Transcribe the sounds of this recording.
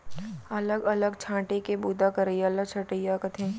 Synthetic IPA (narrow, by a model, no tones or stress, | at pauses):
ɐləɡɐləɡt͡ʃʰãːʈekebuːd̪akəɾəijaɐləɡt͡ʃʰɐʈəjakət̪ʰẽː